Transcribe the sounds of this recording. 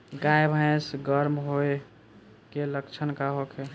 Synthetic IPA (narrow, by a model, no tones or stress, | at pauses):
ɡajbʱãẽsɡəɾmɦoe | keləkt͡ʃʰənkaɦokʰe